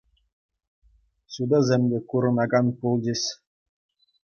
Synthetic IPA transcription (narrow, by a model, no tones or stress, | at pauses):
sud̪ɑzʲemʲd̪ʲekuɾɤ̆nɑɡɑnpulˠd͡ʑʲesʲ